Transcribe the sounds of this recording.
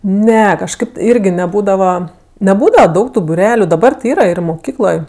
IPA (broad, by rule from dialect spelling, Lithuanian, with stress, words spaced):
ˈnʲɛ kɐʃˈkɐɪp ˈɪrʲɡʲɪ nʲɛˈbuːdɐʋɐ nʲɛˈbuːdɐʋɐ ˈdɐʊk tʊ bʊˈrʲæːlʲʊ dɐˈbɐr tʲɪ ˈiːrɐ ɪr moːˈkʲiːklˠoːj